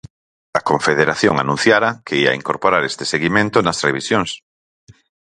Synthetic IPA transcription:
ɐkoɱfeðeɾaθjoŋa̰nũn̟θjaɾɐkeia̰iŋkoɾpoɾaɾest̪ɪ̥seɣimẽnt̪onɐsreβ̞isjoŋs

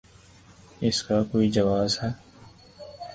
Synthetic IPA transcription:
ɪskakoːid͡ʒɐʋaːzɦɛː

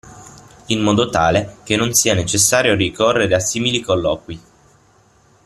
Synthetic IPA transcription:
inmɔːd̪ot̪aːlek̟enːonsiːanet͡ʃesːaːɾjoɾikorːeɾeasiːmilikolːɔːkwi

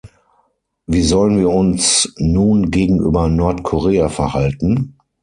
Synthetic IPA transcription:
viːzɔlənviːɐʊnsnuːnɡeːɡŋ̩ʔy̰ːbɐnɔɐtkʰoʁeːafɛɐhaltn̩

